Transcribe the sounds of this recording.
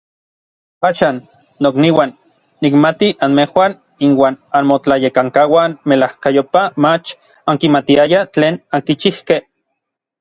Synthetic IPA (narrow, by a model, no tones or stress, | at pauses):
aːʃaːnː | okniwanː | ikmat̪iʔanmehwan | inwaːnanmot͡ɬajekaŋkawanmelahkajopamat͡ʃ | aŋkimat̪iajat͡ɬeːnaŋkit͡ʃihkeh